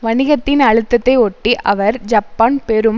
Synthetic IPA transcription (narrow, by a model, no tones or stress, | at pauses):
ʋɐnɪɣɐt̪ːɪnɐɻɯt̪ːɐt̪ːɐɪɔʈːiʔɐʋɐɾd͡ʒɐpːaːnpɛɾɯm